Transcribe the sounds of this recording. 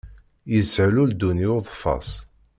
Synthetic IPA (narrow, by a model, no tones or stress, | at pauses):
jəsʕluld̪uniʊðˤfɑ̰sˤ